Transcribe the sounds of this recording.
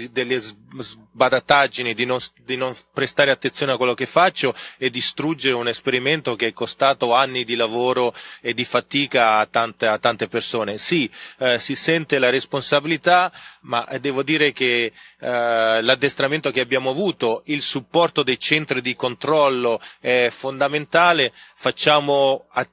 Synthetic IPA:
d̪elːezz | bad̪at̪ad͡ʒinid̪inonsd̪inoɱpɾest̪aːɾeat̪ːensjoːneakːwelːokefːat͡ʃːoɛd̪ːist̪ɾud͡ʒːeɾeunespeɾiment̪okeɛkːost̪aːt̪oanːid̪ilavoːɾoed̪ːifat̪iːkaːt̪ːant̪eat̪ːant̪epersoːnesisisɛnt̪elaɾesponsabilit̪ama̰d̪ɛːvod̪iːɾek̟e | lad̪ːest̪ɾament̪okeabːjaːmoavuːt̪oilsupːɔrt̪od̪ejt͡ʃɛnt̪ɾid̪ikont̪ɾɔlːoɛfond̪ament̪aːlefat͡ʃːaːmoa

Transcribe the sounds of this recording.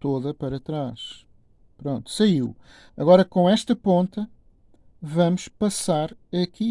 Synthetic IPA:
t̪oðɐpɐɾɐt̪ɾaʃ | pɾõnt̪u̥sɐiw | ɐɣɔɾɐkõɛʃt̪ɐpõnt̪ɐ | vɐmʊʃpɐsaɾɐki

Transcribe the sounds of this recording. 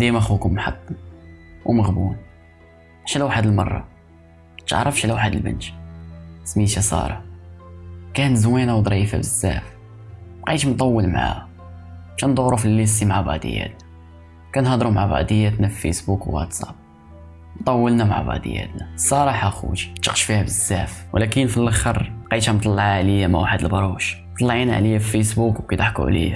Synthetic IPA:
d̪imæxukʊmmħɑ̰t̪ˤː | wməɣbṵn | ʃlæwaħəd̪əlmɑrˤːɑ̰ | t̪əʕɾˤɑfʃlæwaħəd̪əlbə̰nt͡ʃ̪ | smiʃæsˤɑ̰ɾˤɑ | kænzwinawd̪ˤɾifa̰bəzːæ̰f | mqa̰ʃmt̪ˤɑwːəlma̰ʕa̰ | t͡ʃænd̪ˤʊɾufilːisimaʕaba̰ʕd̪ə̰jːæ̰t̪næ | kænhɑd̪ˤɾumaʕabɑ̰d̪əjːæt̪næfifḭsbukwwa̰t̪sæb̚ | nt̪ˤɑwːəlnæma̰ʕa̰bɑ̰d̪ə̰jːæ̰t̪næsˤɑɾˤɑħæxṵʃt̪ːə̥qʃfihæbəzːæfwlækənfilʔəxəɾˤqiæmt̪ˤɑlːɑʕaʕlijæmæ̰waħəd̪əlbɑɾˤuʃ | t̪ˤɑlːʕinʕlijæffisbukwkit̪aħkṵʕlḭjæ

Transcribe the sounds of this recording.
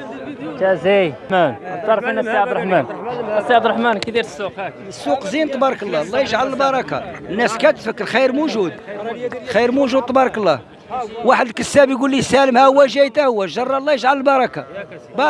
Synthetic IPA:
t̪æzijmænt̪ɑɾˤfənːæsiʕabd̪ɾˤħmænsiʕabd̪əɾˤħmænkd̪i | əsːuqzint̪ˤɑbɑɾˤkəlˤːɑlˤːɑjəʒʕaləlbɑɾˤɑka̰ənːæskæt̪fəkːəɾxijəɾmuʒud̪ | xijɾmuʒud̪̚t̪ˤɑbɑɾˤɑkəlˤːɑ | waħəd̪kəsæbjɡulːisæləmhæhwːæʒæjt̪æhʊwːæʒɑrˤːɑlˤːɑjəʒʕaləlbɑɾˤɑkabɑ

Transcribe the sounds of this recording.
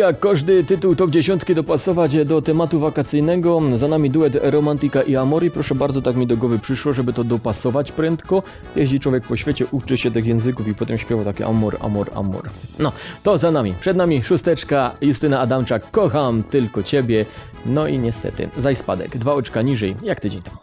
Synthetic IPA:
jakːɔʐd̪ɘt̪ɘt̪uwt̪ɔbd͡ʑeɕɔnt̪kʲid̪ɔpasɔvad͡ʑd̪ɔt̪ɛmat̪uvakat̪sɘjnɛɡɔzanamʲid̪uɛt̪ɾɔmant̪ikaʔiamɔɾipɾɔʂɛbaɾd̪ɔt̪akmʲid̪ɔɡwɔvɘpʂɘʂwɔʐɛbɘt̪ɔd̪ɔpasɔvat͡ɕpɾɛnt̪kɔ | jɛʑlit͡ʂwɔvʲjɛk̚pɔɕfʲjet͡ɕɛʔut͡ʂɘɕɛt̪ɘxjɛ̃w̃zɘkufipɔt̪ɛmɕpʲjɛvawt̪akʲḭʔa̰mɔɾa̰mɔɾa̰mɔ̰ɾnɔt̪ɔzanamʲipʂɛd̪namʲiʂust̪ɛt͡ʂkajust̪ɘnaːd̪amt͡ʂakːɔxamt̪ɘlkɔt͡ɕebʲjɛ | nɔiɲɛst̪ɛ̰t̪ɘ̰zajspa̰d̪ɛ̰ɡd̪vaɔt͡ʂkaɲiʐɛjjakt̪ɘd͡ʑeɲt̪am

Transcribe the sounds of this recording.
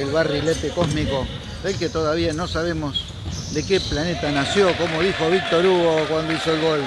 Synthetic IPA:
elβarilet̪ekosmiko | βelket̪oðaβiano̞saβemos | ðekeplanet̪anasjo̞ko̞moðixo̞β̞ik̚t̪oɾuɣokwand̪oisoelɣol

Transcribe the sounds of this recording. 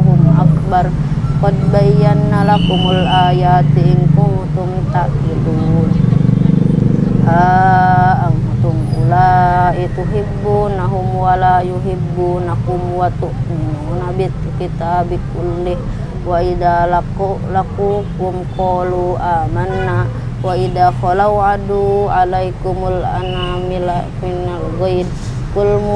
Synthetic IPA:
kumʔakbar | pod̪̚baijanːalakumulajat̪iiŋkumhut̪umt̪aʔidu | haː | ŋhut̪umulait̪uɦibːunaɦumwalajuɦibːunakumwat̪uʔnabit̪ːkit̪aːbikulːih | waʔid̪alakulakukumkoluʔamanːa | waʔid̪axɔlawʕadualajkumula̰na | mila | minalɣajd̪ | kulmu

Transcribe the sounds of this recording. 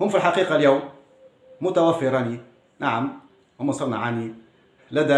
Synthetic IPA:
hʊmːfilħaqiːqɑljawmː | ʊt̪awæfːɪɾɑni | naʕam | hʊmːasˤɑɾˤnɑʕani | læd̪æ

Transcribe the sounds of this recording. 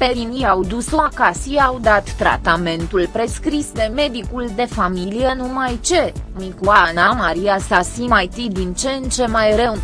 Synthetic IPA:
pe̞ɾinijawd̪usoakasiawd̪at̪ːɾa̰t̪ame̞nt̪ulpɾe̞skɾisd̪e̞me̞d̪ikuld̪e̞familijenumajt͡ʃe̞mikuanamaɾiasasimajt̪id̪int͡ʃent͡ʃe̞majɾew

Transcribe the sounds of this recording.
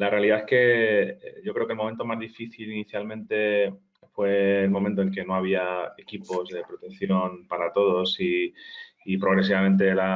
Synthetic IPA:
lare̞aliðaeske̞ | ʝo̞kɾeokelmo̞ment̪o̞mazðifiθiliniθjalmẽnt̪e̞ | fwe̞ːlmomẽnt̪oelke̞no̞aβ̞iae̞kipo̞zðe̞pɾo̞t̪e̞nθjo̞npaɾat̪o̞ð̞o̞siː | pɾo̞ɣɾe̞s̬iβamẽ̞nt̪̬e̞la

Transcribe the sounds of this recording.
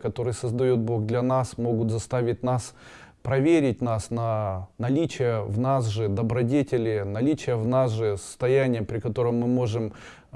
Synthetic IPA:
kɐt̪o̞ɾɨjəsəzd̪ɐjot̪̚bo̞ɡd̪lʲɐnasmo̞ɡʊt̪zɐst̪avʲɪt̚ʲnas | pɾɐvʲeɾʲɪt̚ʲnasnɐnɐlʲit͡ɕɪjəvnasʐɨd̪əbɾɐdʲetʲɪlʲɪnɐlʲit͡ɕɪjəvnasʐɨsə̥st̪ɐjænʲɪjəpɾʲɪkɐt̪o̞ɾəmːɨmo̞ʐɨm

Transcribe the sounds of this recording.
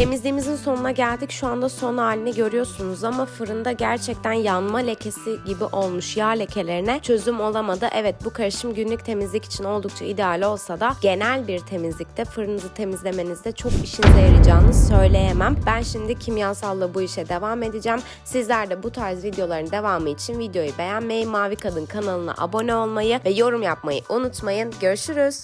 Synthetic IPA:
e̞mizlʲiːmizinso̞nunaɟælʲd̪icʃuand̪aso̞naːlʲinɛɟø̞ɾyjo̞ɾsunuzamafɯɾɯnd̪aɟæɾt͡ʃʰɛc̚t̪ʰænjanmalʲe̞cʰe̞siɟibiʔo̞lˠmuʃjaːlʲe̞cʰe̞lʲe̞ɾinɛt͡ʃʰø̞zymo̞lˠamad̪ɯʔɛvɛt̪̚bukʰaɾɯʃɯmɟynlʲyc̚ʲt̪ʰe̞mizlʲici̥t͡ʃʰino̞lˠd̪uk̚t͡ʃʰaid̪ealʲo̞lˠsad̪aɟ̥e̞nælʲbiɾt̪ʰe̞mizlʲic̚t̪ʰɛfɯɾɯnɯzɯt̪ʰe̞mizlʲe̞me̞nizd̪ɛt͡ʃʰo̞kiʃinzejaɾɯd͡ʒaːnɯzsø̞jlʲe̞jemæmbænʃimd̪icʰimjasalˠːabuiʃɛd̪e̞vaːme̞d̪id͡ʒɛːm | sizlʲæɾd̪ɛbut̪ʰaɾzvid̪jo̞lˠaɾɯnɯd̪e̞vaːmɯit͡ʃʰinvid̪jo̞jube̞jænme̞jimːaːvikʰad̪ɯnkʰanalˠɯna̰ʔa̰bo̞nɛo̞lˠmajɯvɛjo̞ɾumjapmajɯʔunut̪majɯnɟø̞ɾʃyɾyz̥

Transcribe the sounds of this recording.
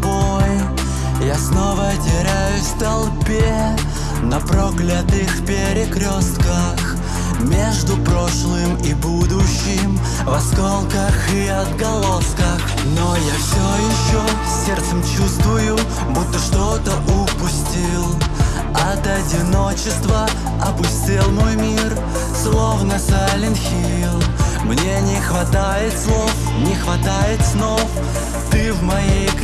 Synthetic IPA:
boj | jasno̞vəɐtʲɪɾʲæjʊsst̪ɐlˠpʲe | nɐpɾo̞klʲɐt̪ɨxpʲɪɾʲɪkɾʲost̪kə | x | mʲe̞ʐd̪ʊpɾo̞ʂlˠɨmibud̪ʊɕːɪm | vɐskolˠkəxiɐd̪ɡɐlˠo̞skəx | nojafsʲojɪɕːo | sʲːert̪səmt͡ɕust̪vʊjʊ | but̪ːəʂt̪o̞t̪əʊpʊsʲtʲilˠ | ɐt̪ɐdʲɪno̞t͡ɕɪst̪və | ɐpʊsʲtʲilˠmo̞jmʲir | slˠo̞vnəsalʲɪnxʲi | lˠ | mnʲenʲɪxvɐt̪ajɪt̪slˠo̞f | nʲɪxvɐt̪ajɪt̪sno̞f | t̪ɨvmɐjej

